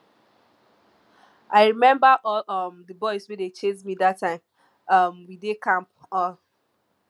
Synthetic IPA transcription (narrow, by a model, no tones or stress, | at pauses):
ʔaɪɹimɛ̃mbaʔɔʌmdəbɔɪzwedet͡ʃẽnmidatːãɪ̃m | ʌmwidekãmp | ɔ̃n